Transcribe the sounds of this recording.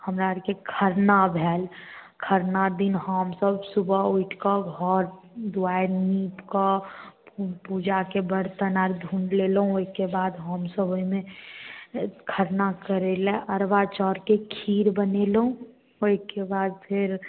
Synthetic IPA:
həmɾaəɾkekʰəɾnabʱɛːlkʰəɾnad̪inhɔmsəbsubʱəuiʈʰkəɡʱɔɾ | d̪uajniːpkə | pud͡ʒakebəɾt̪ənaɾd̪ʱũɳɖlelɦũoikebad̪ɦɔmsəboimẽ | kʰəɾnakəɾelɛʔəɾbat͡ʃɔːɾkekʰiːɾbənelɦũ | oikebaːd̪̚pʰɪɾ

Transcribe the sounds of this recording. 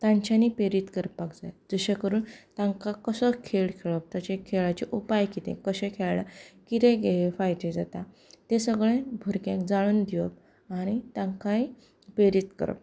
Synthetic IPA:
t̪ãɲt͡ɕanipeɾit̪kəɾppakd͡zajd͡zəɕakəɾuːnt̪ãŋkakəsəkʰeɭkʰeɭəp̚t̪at͡ɕẽkʰeɭat͡ɕiʔupajkit̪ḛ̃kəɕẽkʰeɭljakit̪ẽɡeefajt̪ẽd͡zat̪a | t̪esəɡɭẽbʱuɾkãkd͡zaɭ̃uːnd̪iʋə̰p̚ | aɽ̃it̪ãŋkai | peɾit̪kə̰ɾə̰p̚

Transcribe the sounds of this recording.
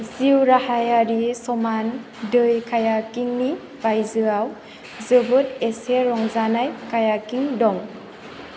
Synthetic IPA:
ziwɾahajaɾisɔman | dɯjkʰajakiŋni | bajzɯaw | zɯbɯteseɾɔŋzanajkajakiŋdɔŋ

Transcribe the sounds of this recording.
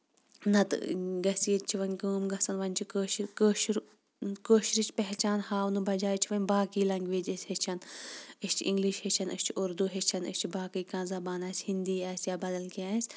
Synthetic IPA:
nɐt̪ɡɐsiet̪t͡ʃʰiʋɐnʲkəːmɡɐsɐnʋɐnʲt͡ʃʰikəːʃkəːʃɾ | koːʃɾit͡ʃʰpɛɦt͡ʃaːnhaːunɨbɐd͡ʒaːjt͡ʃʰiʋɐnʲbaːkiːlɐŋɡʲʋeːd͡ʒɐsʲhet͡ʃʰɐnɨsʲt͡ʃʰĩŋɡliʃhet͡ʃʰɐnʔɐst͡ʃʰiuɾd̪uɦet͡ʃʰɐnɨ̰st͡ʃʰibaːkɨjkãːnzɐbaːnaːsʲhind̪iːaːsʲjaːbɐd̪ɐlkiãːsʲ

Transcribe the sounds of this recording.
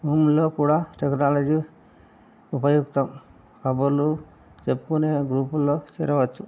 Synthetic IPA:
umlɔkuɽaʈeknalɔd͡ʒi | upajuɡt̪ɔm | kabɔlu | t͡ʃepːuneɡɾuplɔseɾawat͡ʃʰu

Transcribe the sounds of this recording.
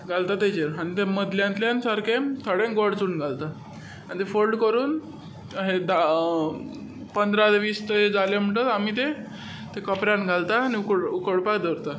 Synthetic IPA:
ɡʱalt̪at̪ed͡ʑeɾañit̪eməd̪ljãnt̪ljãnsaɾkʰet̪ʰəɽẽnɡoɽt͡suːnɡʱalt̪a | anit̪efolɖkəɾuːn | ɦed̪a | pənd̪ɾad͡zʋiːst̪əed͡zalem̤əɳʈət̪amit̪e | t̪ekəpɾãnɡʱalt̪aːñiukəɽukəɽpakd̪ʱəɾt̪a

